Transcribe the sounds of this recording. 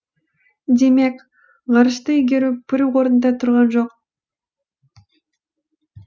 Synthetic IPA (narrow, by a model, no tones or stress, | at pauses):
d̪e̞mek | ʁɑɾɯʃt̪ɯiɡʲeɾupyɾuʁoɾnd̪ɑt̪ʰuɾʁɑnd͡ʒoq